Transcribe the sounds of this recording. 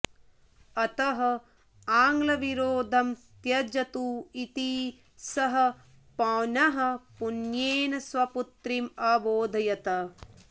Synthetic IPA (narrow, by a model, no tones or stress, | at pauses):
ɐt̪ɐɦɐ̆ | aːŋɡlɐʋiɾoːd̪ʱɐm | t̪jɐd͡ʒɐt̪uːit̪iː | sɐɦɐ̆ | pɐːnɐɦɐ̆punjeːnɐsʋɐput̪ɾimaːboːd̪ʱɐjɐt̪ɐ